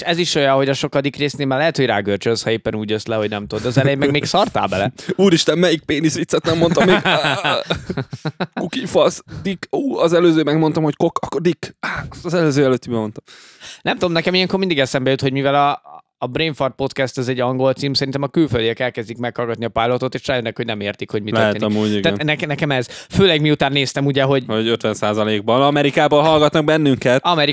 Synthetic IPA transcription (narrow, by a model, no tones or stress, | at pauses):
eʃɛziʃo̞jɒɦo̞ɟɒʃo̞kɒd̪ikreːsneːlmɛlɛɦɛt̪ho̞ɟraːɡørt͡ʃønshɒeːpːɛnuːɟøslɛɦo̞ɟnɛmt̪od̪od̪ɛːzɛlɛjemːɛmeːksɒrt̪a̰ːbɛlɛ̰uːɾiʃt̪ɛmːmɛjik̚peːnisʋit̪sːɛt̪nɛmːo̞nt̪ɒmːeɡ | kukifɒsd̪ikuɒzɛløːzøːmɛɡmo̞nt̪ɒmho̞ckokɒkːord̪ikst̪ɒzɛløːzøːɛløːt̪ːibɛmo̞nt̪ɒm | nɛmt̪ud̪mnɛkɛmijɛŋkormind̪iɡɛsɛmbɛjøt̪ho̞ɟmivɛlɒː | breːnfort̪̚po̞t̪kɛst̪ɛzɛɟːɒŋɡo̞lt̪siːmsɛɾint̪ɛmɒkylføld̪ijɛkɛlkɛzd̪ikmɛkhɒlɡɒt̪niɒpajlot̪o̞t̪eːʃraːjønːɛkhoɟnɛmeːrt̪ikho̞ɟmitløɛ̰rɦtːɛt̪enmuːiɡ̪anɛknɛkɛmɛzføːlɛɡmiut̪aːnːeːst̪ɛmuɟɛɦo̞ɟhoɟøt̪ʋɛnsaːzɒleːɡ̚bɒnɒmɛɾikaːbolɦɒlɡɒt̪nɒɡ̚bɛnːyŋkɛt̪ɒmɛɾi